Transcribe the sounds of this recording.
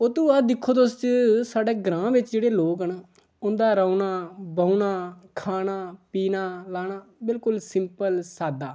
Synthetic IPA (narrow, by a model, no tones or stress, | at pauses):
ot̪ũːad̪ɪkʰːoːt̪ʊst͡ʃsaːɖeːɡɾãːʋɪt͡ʃd͡ʒeːɽeːloːkəɳ | ʊnd̪aːɾəːnaːbəunaːkʰaːnaːpiːnaːlaːnaːbɪlkʊlsɪmpəlsaːd̪aː